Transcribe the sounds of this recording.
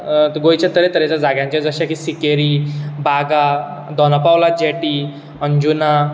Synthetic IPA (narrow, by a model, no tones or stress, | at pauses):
ɡojt͡ɕat̪əɾet̪əɾet͡ɕjad͡zaɡjãɲt͡ɕad͡zəɕakisikeɾiːbaɡa | d̪ɔnəpawlad͡ʑeʈi | əɲd͡ʑuna